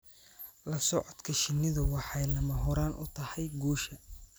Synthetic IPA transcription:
lɐsɔʕɔd̪kʰɐʃɪnɪðʊwɑħɑjlɐmɐɦɔɾaːnʔʊt̪ʰɐhɛjɡuːʃɐ

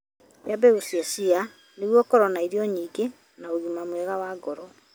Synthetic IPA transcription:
wjabɛosɛsia | neɣwɔkɔɾɔnaiɾiɔɲiːɡe | naoɣumamwɛɣawaɡɔɾɔ

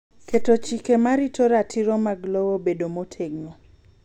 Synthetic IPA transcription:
ketot͡ʃikemaɾitoɾatʰiɾɔmaɡlowobedomotʰeɡŋo

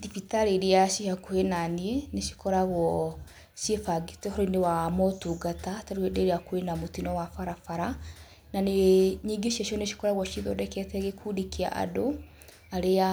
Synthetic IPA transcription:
difitaɾeɾeaʃihakoenanieneʃi̥kɔɾaɣwɔ | ʃjefaɡitɛhɔɾɔinewamɔtuɡatataɾewedeɾeakoenamotinɔwafaɾafaɾa | naneɲiːɡeʃiaʃɔneʃi̥kɔɾaɣwɔʃiðo̰dɛkɛtɛɣekʰudikia̰ʔa̰do | aɾea

